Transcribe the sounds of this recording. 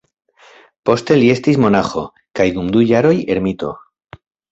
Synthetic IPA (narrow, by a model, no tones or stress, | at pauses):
po̞st̪e̞lie̞st̪ismo̞naxo̞ | kajd̪umd̪ujaɾo̞je̞ɾmit̪o̞̰